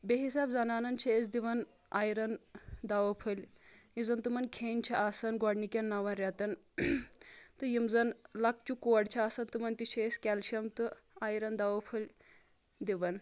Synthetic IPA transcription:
beɦisaːbzɐnaːnɐnt͡ʃʰɐes̬d̪iʋɐn | aːjɾɐnd̪aʋɐpʰɐlʲjizɐnt̪ɨmɐnkʰeːnʲt͡ʃʰɐʔaːsɐnɡɔɖnikʲɐnːaʋɐnɾʲɐt̪ɐn | t̪ɨjimzɐnlɐk̚t͡ʃukoɐɽt͡ʃʰiaːsɐnt̪ɨmɐnt̪it͡ʃʰɐesʲkʲɛlʃɐmt̪ɨaːjɾɐnd̪aʋɐpʰɐlʲ | d̪iʋɐn

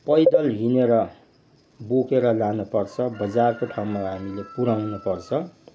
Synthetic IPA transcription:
pʌjd̪ʌlɦineɾʌ | bokeɾʌlanupʌrt͡sʰʌbʌd͡zarkoʈʰawmaɦamilepuɾawnupʌrt͡sʰʌ

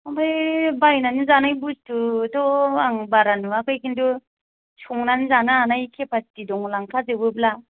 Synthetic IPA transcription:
abɯjbajnanɯzanajbustutɔaŋbaɾanuakʰɯjkindu | sɔŋnanzanaanajkʰepʰastidɔŋlaŋkʰazɯbɯpla

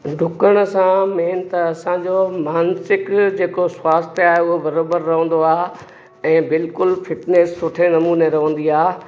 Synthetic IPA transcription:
ɖʱʊkəɽ̃sãmeːnt̪ɐɐsãd͡ʑomaːnsɪkd͡ʑeːkoswaːst̪ʰeaːɦeʊɦobɐɾoːbəɾːɐɦə̃nd̪oaː | ɛ̃ːbɪlkʊlfɪʈneːsːʊʈʰenɐmuːneɾɐɦə̃n̆d̪iaː

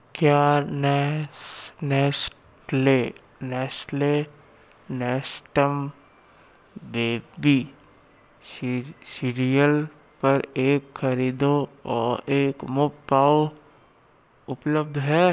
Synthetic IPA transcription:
kjaːnɛ | nɛːs | le | nɛːsʈle | nɛːsʈəm | beːbi | siɾijəl | pɐɾeːkxɐɾiːd̪oɔːɾeːkmʊkpaːo | ʊpləb̚d̪ɦɛː

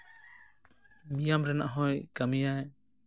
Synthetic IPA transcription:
mijamɾɛna̰ʔɦɔjkamijaj

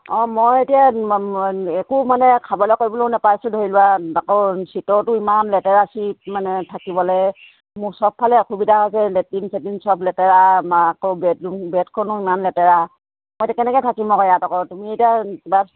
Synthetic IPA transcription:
ɔmojetija | ɛkumanɛkʰabɔlɔkoɹibɔlɔɔnɛpajsudʱoɦilʊwaakɔsitɔɹtʊimanlɛtɛɹasit̚manɛtʰakibɔlɛ | mʊsɔp̚pʰːalɛkʰubidʱaɦɔjsɛlɛtinsɛtinsɔplɛtɛɹamaakɔbɛtubɛtkʰɔnʊimanlɛtɛɹa | mojtɛkɛnɛkɛtʰakimɔkɔjatɔkɔtumietijakiba

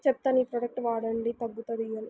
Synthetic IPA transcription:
t͡ʃɛp̚t̪ɐnipɾɐɖɐk̚ʈʋaːɽɐɳɖit̪ɐbːut̪ɐd̪ijɐli

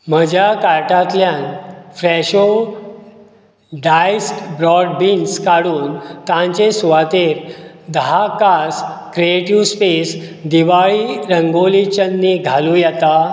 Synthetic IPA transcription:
m̤əd͡ʑʱjakaɾʈat̪ljãnfɾɛɕo | ɖajsʈbɾɔɖbinskaɽuːnt̪ãɲt͡ɕesʋat̪eɾ | d̪əɦakaskɾieʈiʋspes | d̪iʋaɭiːɾəŋɡolit͡ɕənːiːɡʱalũjɛt̪a

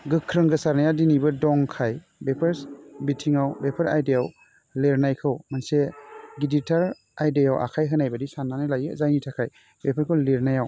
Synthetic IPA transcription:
ɡɯkʰːɾɯŋɡɯsaɾnajadinibɯdɔŋkʰaj | bepʰeɾsbitʰiŋawbepʰaɾajdejaw | leɾnajkʰɯwmanseɡiditʰaɾ | ajdejawʔa̰kʰajɦɯnajbadisanːanajlajɯzajnitʰakʰaj | bepʰaɾkʰɯwleɾnajaw

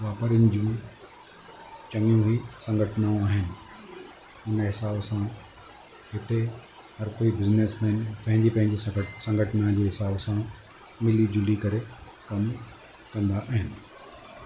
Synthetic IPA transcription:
ʋaːpəɾɪnɪd͡ʑũ | t͡ɕɐŋijũɦisɐ̃ŋɡʱəʈʰənãaːɦɪnɪ̆ | ʊnɦɪsaːbsã | ɦɪt̪e | ɦɐɾkoːibɪzneːsmɛːnpɐ̃ɦɪ̃ɲd͡ʑipɐ̃ɦɪ̃ɲd͡ʑissɐ̃ŋɡʱəʈənãd͡ʑeːɦɪsaːbsã | mɪlid͡ʑʊlikɐɾe | kɐm | kɐ̃nd̪aʔaːɦɪnɪ̆

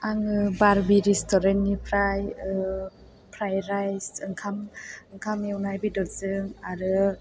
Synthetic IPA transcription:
aŋɯbaɾbiɾistʰɔɾenːipʰɾaj | pʰɾajɾajsɯŋkʰamɯŋkʰamewnajbidɔzɯŋaɾɯ

